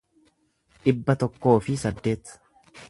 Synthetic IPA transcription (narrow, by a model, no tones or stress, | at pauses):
ᶑɪbːɐt̪ɔkːo̞ːfɪsɐd̪ːe̞ːt̪